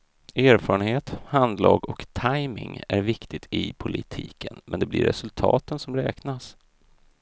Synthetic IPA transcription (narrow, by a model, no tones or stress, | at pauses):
æːɾfɑːɾənheːt̪hand̪lɑːɡɔkt̪ʰajmɪŋæɾvɪkt̪ɪt̪ɪpʰʊlʔɪt̪ʰḭːkʰənmɛnd̪ɛblɪɾːɛ̰sɵlt̪ʰɑ̰ːt̪ənsɔmɾɛːknas